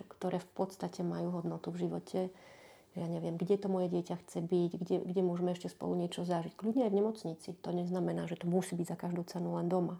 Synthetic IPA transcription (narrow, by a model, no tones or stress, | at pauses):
kt̪ɔɾʔɛːfpɔt̪st̪acɛmajuːɦɔd̪nɔt̪uvʒiʋɔcʰɛ | ɛjaɲɛʋɪɛmɡɟɛt̪ɔmɔjɛɟɪɛcaxt͡sɛbiɟɡɟɛɡɟɛmʊɔʒmɛɛʃcɛspɔ̰luɲɪɛt͡ʃɔzaʒickʎubɲɛajvɲɛmɔt͡sɲit͡sit̪ɔɲɛznamɛnaːʒɛt̪ɔmusiːbiɟzakaʒd̪uʊt͡sɛnulɛnd̪ɔma